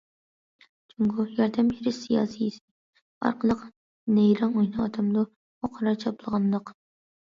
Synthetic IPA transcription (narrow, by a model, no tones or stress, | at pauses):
t͡ʃʰuŋɡʊjɑɾd̪ɛmeɾɪʃsijɑ̰ːsɨjisɪ̥ | ɑ̰ɾqʰəlˠəq | nɛjɾɑnojnɨːd̪ʰɑmd̪u | oqʰɑɾɑt͡ʃʰɑplˠəʁɑnd̪əq